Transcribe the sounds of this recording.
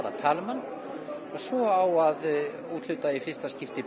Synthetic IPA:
ɾa̰t̪ʰaːlmanː | ɔɣsɔawað | uːt̪l̥ʏːt̪aifɪ̥st̪ascɪft̪ɪ

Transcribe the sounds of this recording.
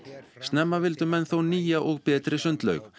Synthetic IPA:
st̪nɛmːavɪlt̪ʏmɛnθowniːjaʔɔɣpɛːt̪ɾɪsʏnt̪lœ̰ɥx

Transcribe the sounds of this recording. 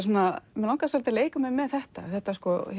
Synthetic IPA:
s̬uːnamɛlãwŋkasalt̪ɪleːjkʏmɛmɛðθɛht̪a̰θɛht̪askɔ

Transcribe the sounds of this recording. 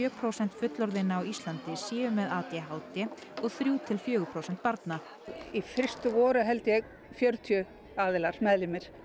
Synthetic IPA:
œːpʰɾowsɛn̥t̪fʏt̪lɔɾðɪnːaawist̪lant̪ɪsiːvʏmɛðaːt̪jaɦaːwt̪ɪɔɣθɾjuːt̪ʰɪlfjœːɣʏpʰɾowsɛn̥t̪paɾt̪na | ifɪr̥st̪ʏvɔːɾʏɦɛlt̪ɪjɛɣ | fjœɾt̪ʰjʏ | aːðɪlar̥mɛðlɪmɪɾ̥

